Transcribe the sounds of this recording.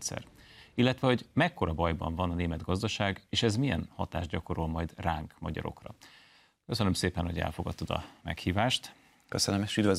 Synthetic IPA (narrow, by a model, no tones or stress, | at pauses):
t̪sɛ̰rilːɛt̪ʋɛho̞ɟmɛkːo̞ɾɒbɒjbɒ̰ɱvɒnɒneːmɛd̪ɡɒzd̪ɒʃaːɡeːʃɛzmijɛnhɒt̪a̰ːʒɟɒko̞ɾolmɒjd̪raːŋkmɒɟɒ̰ɾo̞̰krɒ̰ | kø̞sønømseːpɛnho̞ɟɛ̰lfo̞ɡɒt̪ːod̪ɒ̰mɛ̰khiːvaːʃt̪ | køsønømeʃyd̪vɛ